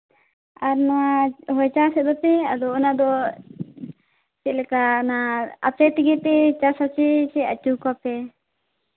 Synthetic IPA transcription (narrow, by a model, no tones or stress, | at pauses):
aɾnaaɦɔjt͡ʃasɛd̪ɔpɛad̪ɔɔnad̪ɔ | sɛʔlɛkanaapɛt̪iɡɛpɛt͡ʃasat͡ʃɛt͡ʃɛa̰t͡ʃukɔpɛ